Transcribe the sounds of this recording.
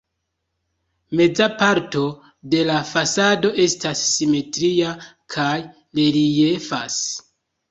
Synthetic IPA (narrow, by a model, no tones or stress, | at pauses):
me̞d͡zapaɾto̞ | de̞lafasado̞ʔe̞stasːime̞tɾiakʰaj | leɾije̞fa̰s